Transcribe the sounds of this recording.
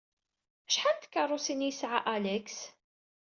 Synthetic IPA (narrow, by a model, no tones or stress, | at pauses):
ʃħant̪kːɑrˤːʊsinjəsʕaʔælæks